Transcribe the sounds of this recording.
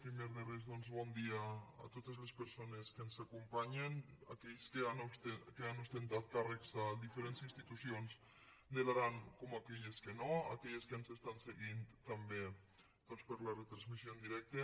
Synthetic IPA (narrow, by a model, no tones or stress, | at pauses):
pɾimeɾðerezðɔnzβɔnd̪ia̰ːt̪ot̪ezlespeɾsoneskensakumpaɲena̰kɛʎskeanst̪ekeanust̪ent̪at̪̚karekzad̪ifeɾensinst̪it̪usions | d̪elaɾaŋkomakɛʎeskenoa̰kɛʎeskansest̪anseɣint̪ambe | d̪̥ɔnspəɾlaret̪ɾanzmisiond̪iɾɛk̚t̪e